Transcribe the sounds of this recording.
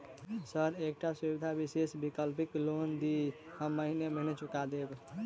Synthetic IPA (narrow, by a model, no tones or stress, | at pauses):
səɾek̚ʈasubid̪ʱabisesbikəlpiklond̪i | ɦəmːəɦineməɦnet͡ʃukad̪eb̪